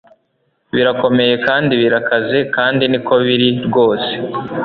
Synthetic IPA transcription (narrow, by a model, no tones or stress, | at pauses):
βiɾako̞me̞je̞kaːndiβiɾakaze̞kaːndiniko̞βiɾiɾɡo̞ːse̥